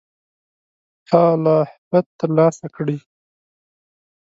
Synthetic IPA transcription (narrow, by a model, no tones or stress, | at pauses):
t̪ɑlahbat̪ːəɾlɑsakɽi